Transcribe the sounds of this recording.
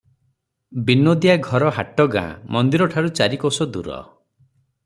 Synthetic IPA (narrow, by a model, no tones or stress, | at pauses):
binod̪ijaɡʱɔɾɔɦaʈɔɡã̰mɔnd̪iɾɔʈʰaɾut͡ʃaɾikosɔd̪ṵɾɔ̰